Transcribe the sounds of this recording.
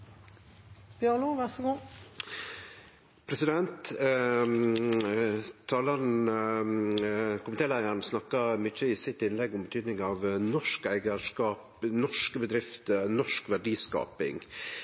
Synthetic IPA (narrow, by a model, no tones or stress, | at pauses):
b̥jœluʋæsəɡu | pʰɾɛsɪd̪ɛnt̪ | t̪ʰːɑːlɑɾn | kʰʊmət̪eːlæɪəɾɳsnɑkːɑmʏt͡ʃːəɪsɪt̪ɪnlɛɡʊmbət̪ʰyːd̪nɪŋɑʋnɔʂkæɪɡəʂkɑːp | nɔʂkəbəd̪ɾɪft̪ənɔʂkʋæɖiːskɑ̰ːpɪ̰ŋ